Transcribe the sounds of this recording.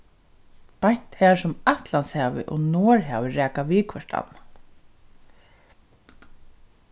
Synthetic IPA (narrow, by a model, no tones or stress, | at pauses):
pajɲ̥t̪hæːɹsʊmaht̪lanshaːʋɪ̰ʔɔnoːɹɦaːvɪɾɛːkaʋiːkʰvɛʂʈa̰nːa